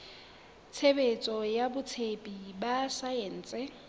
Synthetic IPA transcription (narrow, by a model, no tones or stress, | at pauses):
t͡sʰebet͡sʼɔjabʊt͡sʰepʼibasaen̩ːt͡sʼɛ